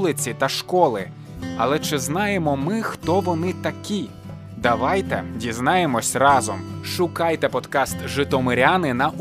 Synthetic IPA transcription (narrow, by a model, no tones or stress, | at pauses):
lˠɪt͡sʲit̪ɐʃkɔlˠɪ | ɐlˠɛt͡ʃɪznɑjemɔmɪxt̪ɔʋɔnɪt̪ɐkʲi | d̪ɐʋɑjt̪ɛdʲiznɑjemɔsʲrɑzɔmʃʊkɑjt̪ɛpɔd̪kɑst̪ʒɪt̪ɔmɪɾʲanɪnɐʔ